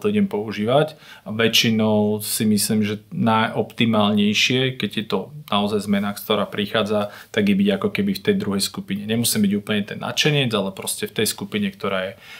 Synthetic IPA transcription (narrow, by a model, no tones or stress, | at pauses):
t̪ɔiɟɛmpɔuʒiːʋacaʋɛt͡ʃinɔʊsimisliːmʒɛnajʔɔpt̪imaːlɲɛjʃɪɛkɛɟjɛt̪ɔnaɔzajzmɛnakt̪ɔɾaːpɾixaːd͡zat̪aɡjɛbiɟakɔkɛbift̪ɛjd̪ɾuɦɛjskupiɲɛɲɛmusiːmbiɟuːpl̩ɲɛt̪ɛnːa̰t͡ʃɛɲɪɛd͡zalɛpɾɔscɛft̪ɛjskupiɲɛkt̪ɔɾaːjɛ